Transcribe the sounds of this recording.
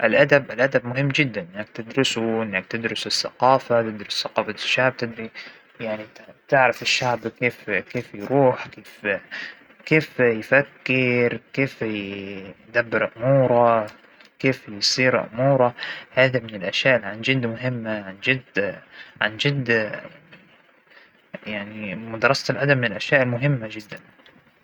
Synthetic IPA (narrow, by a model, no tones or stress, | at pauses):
ʔɪlʔad̪abʔalʔad̪abmʊɦɪmːd͡ʒɪd̪ːanʔɪnːak̚t̪ɪd̪ɾʊsuʔɪnːak̚t̪ɪd̪ɾʊsɪsːa̰qɑːfat̪ɪd̪ɾʊsːaqɑːfaʃːaʕb̚t̪ɪd̪ɾi | jaʕnit̪ɪʕɾɪfɪʃːaʕbkeːfkeːfjɾuːħkeːf | keːfjfakːɪɾkeːf | d̪abːɑɾʔʊmuːɾˤɑ | keːfjsˤiːɾʔʊ̰muːɾˤɑhaːðamɪnɪlʔaʃjaːʔɪlʕand͡ʒɪd̪ːmʊɦɪmːaʕand͡ʒɪd̪ | ʕand͡ʒɪd̪ | jaʕnimʊd̪ɑɾˤɑsalʔad̪amɪnɪlʔaʃjaːʔɪlmʊɦɪmːad͡ʒɪd̪ːan